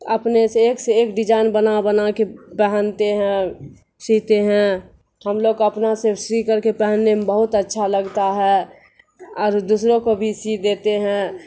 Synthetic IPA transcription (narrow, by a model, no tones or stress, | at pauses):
əpneseːkseeːkɖɪd͡ʒaːɪnbənabənakepɛɦənt̪eɦɛ̃ | sit̪eɦɛ̃ | həmloːɡəpnasesɾikəɾkepɛɦənːembəɦʊt̪ətːʃʰaləɡt̪aɦɛ | ɔːɾd̪usɾõkobʱisid̪eːt̪eɦɛ̃